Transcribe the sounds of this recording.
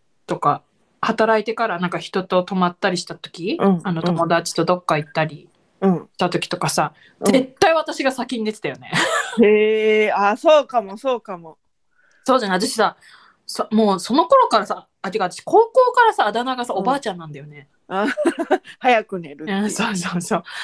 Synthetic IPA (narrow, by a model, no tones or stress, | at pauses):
t̪o̞ka | hat̪aɾait̪e̞kaɾanãŋkaçi̥t̪o̞t̪o̞t̪o̞mat̪ːaɾʲiɕi̥t̪at̪o̞̥kʲĩano̞t̪o̞mo̞d̪at͡ɕi̥t̪o̞d̪o̞kːait̪ːaɾʲi | ɯ̟̃ɕi̥t̪at̪o̞kʲi̥t̪o̞kasa | zet̪ːaiβat̪aɕiɡasakʲiɲ̟id̪et̪e̥t̪ajo̞ne̞heaːso̞ːkamo̞so̞ːkamo | so̞ːd̪aneat̪aɕi̥sa | samoːso̞no̞ko̞ɾo̞kaɾasaːt̪ikat̪aɕi̥ko̞ːko̞ːkaɾasaːd̪anaɡasao̞baːt͡ɕãnːãnd̪ajo̞ne̞ | aː | hajakɯ̟neɾɯ̟ɯ̃soːsoːso̞ː